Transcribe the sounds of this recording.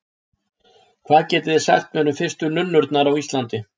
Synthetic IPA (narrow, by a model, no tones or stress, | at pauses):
kʰvaːðcɛːt̪ɪðɪ̥sa̰jht̪mɛnʏmfɪr̥st̪ʏnʏnːʏɾt̪naɾawist̪lant̪ɪ